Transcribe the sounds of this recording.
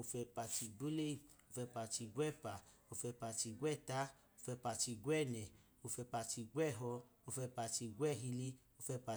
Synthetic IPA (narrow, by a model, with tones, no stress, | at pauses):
o˧fɛ˧pa˧ti˧˨ɡo˦le˦i˨o˧fɛ˧pa˧ti˧ɡʷɛ˦˨pa˨o˧fɛ˧pa˧ti˧ɡwɛ˦˨ta˦ | o˧fɛ˧pa˧ti˧ɡʷɛ˦˨nɛ˨ | o˧fɛ˧pa˧ti˧ɡwɛ˦˨ɦɔ˧ | o˧fɛ˧pa˧ti˧ɡwɛ˦˨ɦi˧li˧ | o˧fɛ˧pa˧